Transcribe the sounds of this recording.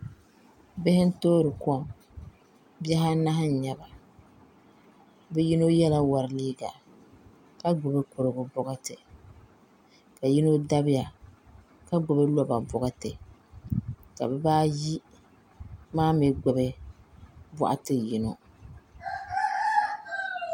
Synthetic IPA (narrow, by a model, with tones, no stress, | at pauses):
bɛ˦hɪ˦n̩˦toː˦ɾɨ˨kʊ˦a˨ŋ | bjɛ˦ɦa˦na˦ɦɪ˦n˨ɲa˨ba˨ | bɛ˦ji˦no˦jɛ˦la˦wa˨ɾɪ˨liː˦ɡa̰˨ | ka˦ɡʊ˨bɛ˦kʊ˨ɾo˨ɡʊ˨bɔ˦ɡa˦tɨ˨ | ka˨ji˦no˦da˦bɪ˦ja˨ | ka˦ɡ͡bʊ˨bɛ˦lɔ˦ba˨bɔ˨ɡa˦tɨ˨ | ka̰˨bɛ˦baː˦ji˦ | maː˦mɪ˨ɡʊ˨bɛ˦ | ba̰˦ʔa̰˦tɨ˦ji˨no˨